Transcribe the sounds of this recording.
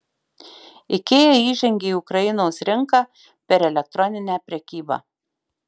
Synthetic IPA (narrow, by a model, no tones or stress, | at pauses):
ɪkʲeːjɛiːʒʲɛŋʲɡʲeːiʊkɾɐjɪnoːsɾʲɪŋkɑ | pʲɛɾɛlʲɛk̚t̪ɾɔnʲɪnʲæːpʲɾʲɛkʲiːbɑ̰ː